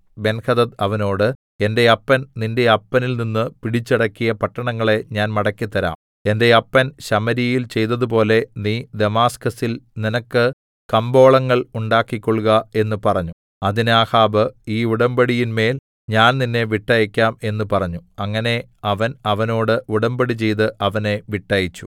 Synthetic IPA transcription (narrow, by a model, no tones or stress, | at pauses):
be̞nkɐðɐt̪ɐʋɐno̞ːɽɨ | e̞nde̞ɐpːɐnninde̞ɐpːɐnilninːɨpiɽit͡ɕːɐɽɐkːijɐpɐʈːɐɳɐŋːɐɭe̞ɲaːnmɐɽɐkːit̪ːɐɾa̰ːm | e̞nde̞ɐpːɐnɕɐmɐɾijilt͡ɕe̞jt̪ːɐðup̬o̞ːle̞niːd̪e̞maːskɐsilninɐkːɨ | kɐmbo̞ːɭɐŋːɐɭuɳɖaːkːikʲːoɭɣɐe̞nːɨpɐrɐɲːu | ɐðinaːhaːbɨiːuɽɐmbɐɽijinme̞ːl | ɲaːnninːe̞ʋiʈːɐjikʲːaːme̞nːɨpɐrɐɲːuɐŋːɐne̞ | ɐʋɐnɐʋɐno̞ːɽɨuɽɐmbɐɽit͡ɕe̞jt̪̬ɨʔɐʋɐne̞ʋiʈːɐjit͡ɕːu̥